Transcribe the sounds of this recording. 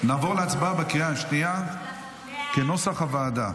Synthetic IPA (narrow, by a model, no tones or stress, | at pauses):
naːvo̞ʁleat͡sbabekijaʃnia | keno̞saχhavaːd̪a